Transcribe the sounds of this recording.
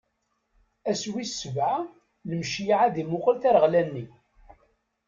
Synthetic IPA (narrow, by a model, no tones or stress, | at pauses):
æswisəvʕa | ləmʃijʕaðimʊqəlθæɾʁlænːi